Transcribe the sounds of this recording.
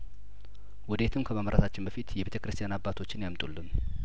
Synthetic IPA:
wɔd̪et̪ʰɨmkʰəmaməɾʔat̪ʰat͡ʃːɪnbəfit̪jɛbet̪əkɾɨst̪ʰʼijanabːat̪ʰo̞t͡ʃːɪnjamt̪ʼulːɨm

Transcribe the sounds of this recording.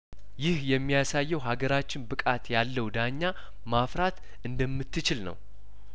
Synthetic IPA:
jɪhjɛmːijasajːɛwɦaɡəɾat͡ʃːɪnbɨkʼat̪jalːəwd̪aɲːa | mafɾat̪ | ʔɨnd̪əmːɨt̪ːɨt͡ʃɪlnə̰w

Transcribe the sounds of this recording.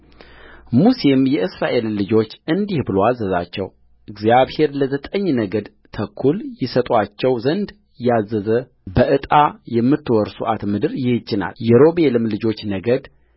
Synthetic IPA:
muse̞mjɛʔɨsɾaʔe̞llɨd͡ʒo̞t͡ʃːɨnd̪ihbɨloazəza̰t͡ʃːɛ̰w | ʔɨɡzjaβhe̞ɾləzət̪ʼəɲːnəɡəd̪ | t̪ʰəkʰːuljɪsət̪ʼwat͡ʃːɛwzənd̪ | jazːəzə | bəʔɨt̪ʼajɛmːɨt̪ːwɔɾsuʔat̪mɨd̪ɨɾjɪhɪt͡ʃːɪna̰ljɛɾo̞belɨmlɨd͡ʒo̞t͡ʃːnəɡəd̪

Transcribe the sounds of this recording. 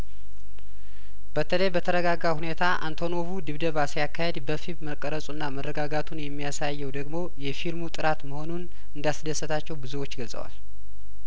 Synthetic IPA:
bət̪ʰələjbət̪ʰəɾəɡaɡahune̞t̪ʰaʔa̰nt̪ʰo̞no̞βud̪ɨβd̪əβasjakʰːahe̞d̪bəfimːəkʼːəɾəsʼunːamərːəɡaɡat̪ʰunjɛmːijasajːɛwd̪əɡmo̞jɛfilmut̪ʼɨɾat̪məho̞nun | ɨnd̪asd̪əsːət̪ʰat͡ʃːɛwbɨzuwo̞t͡ʃːɡəlsʼə̰wa̰l

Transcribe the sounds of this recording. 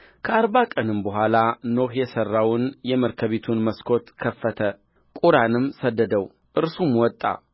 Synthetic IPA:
kʰəaɾβakʼənɨmbəɦʷalanohjɛsərːawʊnjɛməɾkʰəβet̪ʰunməskʰo̞t̪kʰəfːət̪ʰə | kʼuɾanɨmːsəd̪ːəd̪əw | ʔɨɾsumwɔt̪ʼːa̰

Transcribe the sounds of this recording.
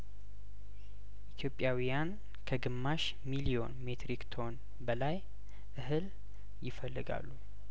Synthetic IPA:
ʔit̪ʰjo̞pʼjawijan | kʰəɡɨmːaʃ | milio̞̰nme̞t̪ɾikt̪ʰo̞n | bəlaj | ʔɨɦɨl | jɪfəlːɨ̰ɡa̰lːu

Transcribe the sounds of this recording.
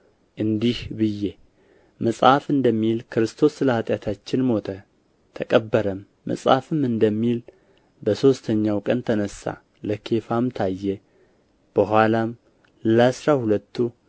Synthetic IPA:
ʔɨnd̪ihbɨjːe | məsʼafɨnd̪əmːilkʰɾɨst̪ʰo̞sləhat̪ʼjat̪ʰat͡ʃːɪnmo̞t̪ʰə | t̪ʰəkʼəbːəɾəmːə̰sʼa̰fɨmɨnd̪əmːil | bəso̞st̪ʰəɲːawkʼənt̪ʰənəsːa̰ | ləkʰe̞famt̪ʰajːɛ | b̥əɦʷalam | ləasɾahulət̪ʰːu

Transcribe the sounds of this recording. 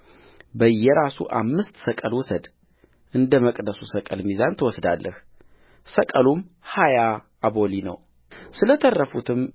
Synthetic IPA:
bəjːɛɾasṵʔa̰mːɨst̪səkʼəlwɔsəd̪ | ʔɨnd̪əməkʼd̪əsusəkʼəlmizant̪ʰəwɔsd̪alːʔəh | səkʼəlum | hajaː | bolinə̰w | sɨlət̪ʰərːəfut̪ʰɨm

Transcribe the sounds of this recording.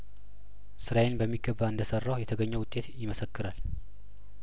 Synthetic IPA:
sɨɾajenbəmːiɡəbːaɨnd̪əsərːawjɛt̪ʰəɡəɲːəwʊt̪ʼːe̞t̪jɪməsəkːɨɾal

